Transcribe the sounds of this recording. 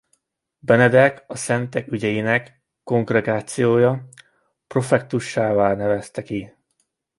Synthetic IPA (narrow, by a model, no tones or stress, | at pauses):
bɛnɛd̪ɛkɒsɛnt̪ɛkyɟɛjinɛkː | o̞ŋɡrɛɡaːt̪sijoːjɒ | pro̞fɛk̚t̪uʃːaːvaːlnɛvɛst̪ɛki